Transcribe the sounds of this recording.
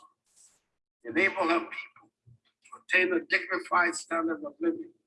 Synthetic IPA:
ðɨneɪbəlˠɦəv̥pʰi̥pl̩ˠ | tʰətʰẽɪ̃nədɪɡ̚nɨfaɪd̥stæ̃ndədʌvlɪvɨ̃n

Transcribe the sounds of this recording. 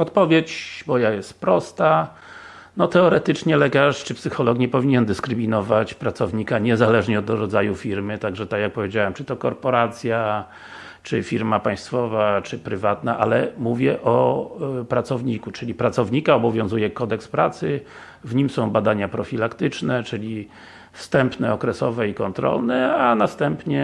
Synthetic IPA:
ɔt̪pɔvʲjet͡ɕbɔjajɛst̪pɾɔst̪a | nɔt̪ɛɔɾɛt̪ɘt͡ʂɲɛlɛkaʂt͡ʂɘpsɘxɔlɔkɲɛpɔvʲiɲɛnd̪ɘskɾɘmʲinɔvat͡ɕpɾat̪sɔvɲikaɲɛzalɛʐɲɛɔd̪ɾɔd̪zajufʲiɾmɘt̪aɡʐɛt̪ajak̚pɔvʲjed͡ʑawɛmt͡ʂɘt̪ɔkɔɾpɔɾat̪sʲja | t͡ʂɘfʲiɾmapãj̃st̪fɔvat͡ʂɘpɾɘvat̪na̰ʔalɛmuvʲjɛʔɔ | pɾat̪sɔvɲikut͡ʂɘlʲipɾat̪sɔvɲikaɔbɔvʲjɔ̃w̃zujɛkɔd̪ɛkspɾat̪sɘ | vɲimsɔ̃w̃bad̪aɲapɾɔfʲilakt̪ɘt͡ʂnɛt͡ʂɘlʲi | fst̪ɛmpnɛɔkɾɛsɔvɛikɔnt̪ɾɔ̰lnɛanast̪ɛmpɲɛ

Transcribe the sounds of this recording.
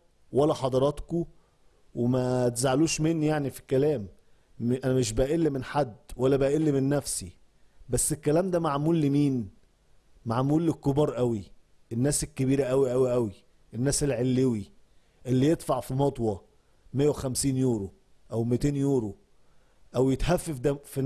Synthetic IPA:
wælːæħɑd̪ˤɑɾˤɑt̪ko | wemæt̪zaʕluːʃmenːijaʕnifi̥kːælæːm | ʔænæmeʃ̬bæʔʔelːimenħad̪ːwælːæbæʔelːimenːæfsi | bæsːekːælæːmd̪æmaʕmuːlːimiːn | maʕmuːlːekːobɑːɾˤʔæwi | ʔenːæːsekːebiːɾæʔæwiʔæwiʔæwi | ʔenːæːselʕelːewi | ʔelːijet̪faʕfimɑt̪ˤwɑ | mejːæwexæmsiːnjoːɾo | ʔæwmit̪eːnjoːɾo | ʔæwjet̪hæfːæfd̪æfin

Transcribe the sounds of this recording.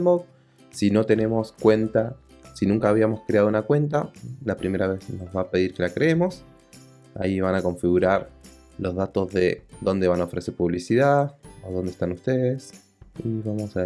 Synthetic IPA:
mo | sino̞t̪e̞ne̞mo̞skwe̞nt̪a | sinũŋkaːβiamo̞skɾeað̞ounakwe̞nt̪alapɾimeɾaβe̞zno̞zβape̞ð̞iɾke̞lakɾeemo̞s | a̰iβanako̞ɱfiɣuɾaɾ | lo̞zðat̪o̞zðeðo̞nd̪eanaofɾese̞ɾpuβlisiðaoðond̪est̪anust̪eðes | iβamo̞sa

